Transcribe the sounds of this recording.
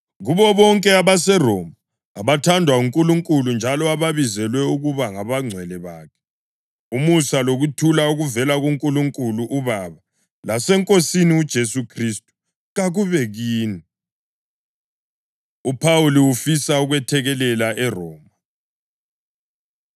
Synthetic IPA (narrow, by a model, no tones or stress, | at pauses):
ɣuβɔβɔŋkʼɛaβasɛrɔmaː | βatʰandʱwauŋkʼuluŋkʼulund͡ʒʱalɔaβaβizɛlwɛuɣuβaŋaβaŋ͡ǀʱwɛlɛβaːkʰɛ̥ | umusaloɣutʰulauɣuvɛlaɣuŋkʼuluŋkʼuluʔuβaːβa | lasɛŋkʼosiniud̥ʒ̥ʱesukʰristʼu̥ | ɣaɣuβɛɣiːni | upʰawuliwufisauɣwɛtʰɛɣɛlɛlaʔɛrɔːma